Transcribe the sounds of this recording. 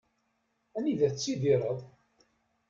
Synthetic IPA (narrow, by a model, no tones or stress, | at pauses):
æniðæt͡sːiðiɾˤəðˤ